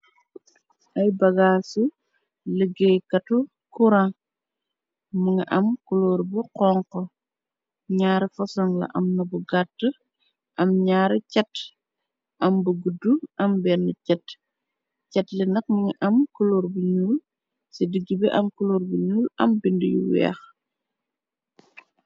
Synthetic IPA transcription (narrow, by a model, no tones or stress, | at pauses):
ʔɐjbɐɡaːsu | ləɡekɐtu | kuɾã | muŋɐʔɐmkuloɾbuqɔŋkɔ | ɲaːɾifɔsɔŋlɐ̰ʔɐmnɐbuɡatːə | ʔɐmɲaːɾicɛt | ʔɐmbuɡudːuɐmbɛnːəcɛt | cɛtlɛnɐk̚məŋiʔɐmkuloɾbuɲuːl | sedəɡːibɛʔɐmkuloːɾbuɲuːlɐ̰mbindijṵwɛ̰ːx